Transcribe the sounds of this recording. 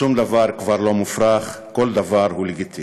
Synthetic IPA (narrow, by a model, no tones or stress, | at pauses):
umd̪avaɾkvaɾlo̞mufɾaχ | ko̞ld̪avaɾɦuleɡit̪i